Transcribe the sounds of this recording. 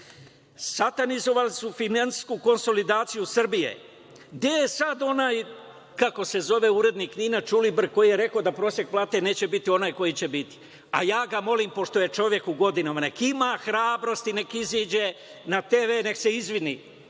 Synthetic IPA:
sat̪anizo̞ʋalisufinanskuko̞nso̞lid̪aːt̪sijusr̩bije̞̰ | ɡd̪ejesad̪o̞naːj | kako̞se̞zo̞ʋe̞uɾe̞d̪nikniːnat͡ʃulibr̩ko̞jijeɾe̞kod̪apɾo̞ːsje̞k̚plˠaːt̪e̞ne̞ːt͡ɕe̞bit̪io̞naːjko̞jit͡ɕe̞bit̪i̥ | a̰jaːɡamo̞liːmpo̞ʃt̪o̞je̞t͡ʃo̞ʋje̞kuɡo̞d̪inamane̞kimaxɾaːbɾo̞st̪ine̞kiziːd͡ʑe | nat̪eʋene̞kse̞izʋinḭ

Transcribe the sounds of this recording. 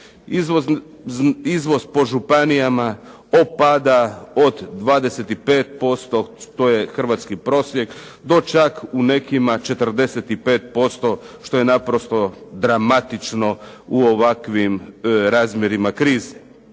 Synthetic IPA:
izʋo | izʋo̞zpo̞ʒupanijama | opad̪aod̪ːʋaːd̪e̞set̪ipe̞ːt̪̚po̞st̪o̞ʃt̪o̞je̞xr̩ʋat̪skipɾo̞sje̞k | d̪o̞t͡ʃakune̞kimat͡ʃe̞t̪r̩d̪e̞set̪ipe̞ːt̪̚po̞st̪o̞ | ʃt̪o̞je̞napɾo̞st̪o̞d̪ɾamat̪it͡ʃno̞uoʋakʋimɾaːzmjeɾimakɾiːze

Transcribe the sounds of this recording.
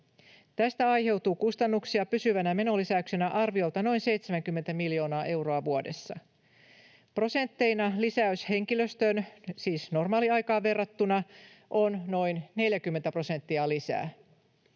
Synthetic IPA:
t̪æst̪æɑjhe̞wt̪uːkust̪ɑnːuksiɑpysyʋænæme̞no̞lisæykse̞næʔɑrʋio̞lt̪ɑno̞jnse̞jt̪semæŋk̟ymːent̪æmiljo̞ːnɑːʔe̞wro̞ɑʋuode̞sːɑ | pro̞se̞nt̪ːe̞jnɑlisæyshe̞ŋkiløst̪ønsiːsno̞rmɑːliɑjkɑːʋe̞rːɑt̪ːunɑ | ʔo̞nno̞jnne̞ljækymːent̪æpro̞se̞nt̪ːiɑlisæ̰ː

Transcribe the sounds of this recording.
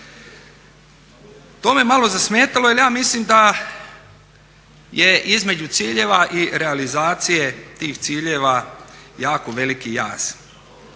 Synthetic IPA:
t̪oːmeemalo̞zasmeːt̪alojaljaːmislimd̪a | jeʔizme̞d͡ʑut̪siːʎeːʋaʔiɾealizaːt̪sije̞t̪iːxt̪siːʎeʋajaːko̞ʋe̞likija̰ːz̥

